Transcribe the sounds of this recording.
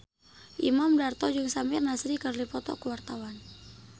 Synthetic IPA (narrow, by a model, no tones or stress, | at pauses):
ʔimamdart̪ɔd͡ʒɨŋsamirnasɾikərlipɔt̪ɔ̰kuwart̪awan